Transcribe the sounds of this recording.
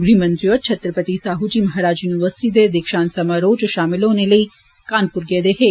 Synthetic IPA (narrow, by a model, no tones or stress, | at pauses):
ɡɾimɐ̃nt̪ɾijot͡ʃʰɐt̪ɾəpət̪isaːɦud͡ʒimɐɦaɾaːd͡ʒjuniʋəɾsʈid̪ed̪ekʃaːnsɐmaɾoːd͡ʒoʃaːmɪlɦoːnelɐi | kaːnpʊɾɡeːd̪eɦeː